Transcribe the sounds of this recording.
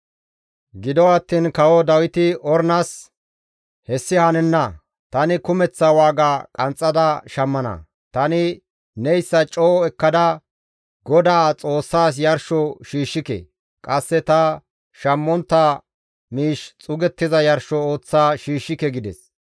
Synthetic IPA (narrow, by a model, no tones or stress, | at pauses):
ɡɪd̪ɔɐt̪ːiːnkɐwɔd̪ɐwɪt̪ɪʔɔɾnɐs | hɛsːɪhɐnɛnːɐ | t̪ɐnɪkʊmɛt͡sːɐwaːɡaːkʼɐnt͡sʼːɐd̪ɐʃɐmːɐnɐ̰ | t̪ɐnɪ | nɛjsːɐt͡ʃʼɔːɔɛkːɐd̪ɐ | ɡɔd̪aːt͡sʼo̞ːsːaːs̬jɐɾʃɔʃiːʃːɪkɛ̰ | kʼɐsːɛt̪ɐ | ʃɐmːɔnt̪ːa | miːʃt͡sʼʊɡɛt̪ːɪzɐjɐɾʃɔo̞ːt͡sːaːʃiːʃːɪkɛɡɪd̪ɛs